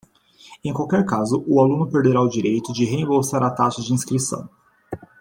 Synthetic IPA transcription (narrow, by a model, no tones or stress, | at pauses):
ẽj̃kwawkɛɾkazʊʔʊalũnʊpeɾd̪eɾaʊd͡ʒiɾejt̪ʊd͡ʒɪɦeẽbowsaɾat̪aʃɐd͡ʒɪĩskɾisɐ̰̃w̃